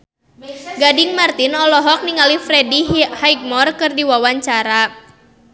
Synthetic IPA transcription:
ɡadiŋmart̪inɔlɔɦɔk̚niŋalifɾɛdihajk̚mɔrkɨrdiwawaɲt͡ʃaɾa

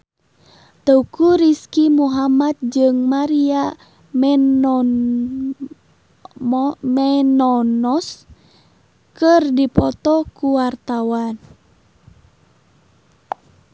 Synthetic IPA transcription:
t̪əukuɾiskimuɦamat̪̚d͡ʒɨŋmaɾia | mɛnɔnɔs | kɨrdipɔt̪ɔkuwart̪awan

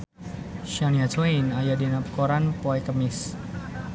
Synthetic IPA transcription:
ʃaniat͡ʃojinajadinapəkoɾanpoɛkəmɪs

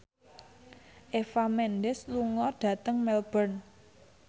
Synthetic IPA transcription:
ʔefamɛnɖɪsluŋɔɖ̥ä̤t̪əŋmɛlb̥ərn

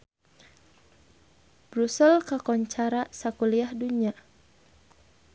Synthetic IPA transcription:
bɾusɛlkakɔɲt͡ʃaɾasakuliahduɲa

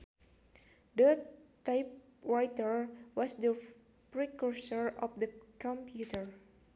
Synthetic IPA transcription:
dətajp̚ | ɹajtəɹwɔsdə | pɹikuɹsɔɹɔfdəkɔ̃mpjut̪əɹ

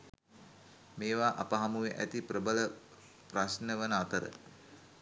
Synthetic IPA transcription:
meːʋaːʔapəɦamuʋeʔæt̪iprəbələ | prasnəʋənəat̪əɾə̰

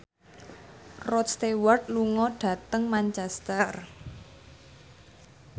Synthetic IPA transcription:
rɔt̪̚st̪ewart̪̚luŋɔɖ̥ä̤t̪əŋmaɲt͡ʃɛst̪ər

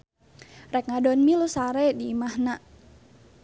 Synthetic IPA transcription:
rɛk̚ŋadɔnmilusaɾɛdiːmahnaʔ

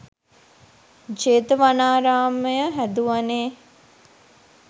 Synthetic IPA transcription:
d͡ʒeːt̪əʋanaːɾaːməjəɦæd̪uʋaneː

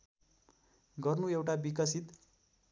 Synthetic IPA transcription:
ɡʌrnuewʈabikʌsit̪

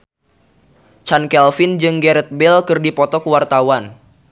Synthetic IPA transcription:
t͡ʃankɛlfɪnd͡ʒɨŋɡɛɾɛt̪̚bɛlkɨrdipɔt̪ɔkəwart̪awan

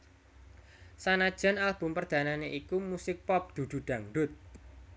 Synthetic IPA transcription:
sanad̥ʒ̥a̤nalb̥ʊ̤mpərd̪̥ä̤naneʔikumusɪk̚pɔp̚d̪̥ṳd̪̥ṳɖ̪̥a̤ŋɖʊt̪̚

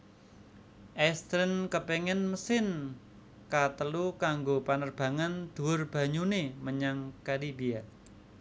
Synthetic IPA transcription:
ʔɛst̪ɾənkəpeŋɛnməsɪn | kat̪əlukaŋɡopanərb̥a̤ŋand̪̥ṳʊrb̥a̤ɲuneməɲaŋkalibia

